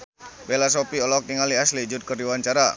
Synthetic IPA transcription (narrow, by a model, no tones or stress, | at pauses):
belas̬opiɔlɔk̚niŋaliaslid͡ʒʊt̪̚kərdiwaɲt͡ʃaɾa